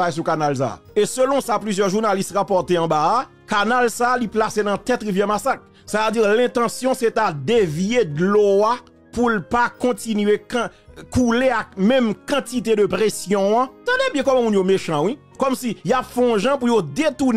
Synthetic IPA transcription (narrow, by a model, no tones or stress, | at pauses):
ajs̬ukanalsa̰esølɔ̃saplyzjœʁʒunalist̪ʁapɔʁt̪eɑ̃baa | kanalsaːliplasenãt̪ɛt̪ʁivjɛmasak | saved͡ziʁlɛ̃t̪ɑ̃sjɔ̃set̪ad̪evjed̪loa | pulpakɔ̃tinɥek | kuleak̚mɛ̃mkãtit̪ed̪əpʁesjɔ̃ãt̪ãd̪ebjɛ̃kɔm̃mũnjomeʃɑ̃wi | kɔmsijapfɛ̃ɔ̃ʒãpujod̪et̪un